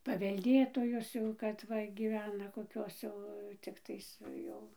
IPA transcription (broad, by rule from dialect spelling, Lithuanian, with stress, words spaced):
pɐʋʲɛlʲˈdʲeːtoːjoːs ˈjɛʊ kɐt ˈʋɐ ɡʲiːˈʋʲæːnɐ koːˈkʲoːs jɛʊ t͡sʲɪkˈtɐɪs ˈjɛʊ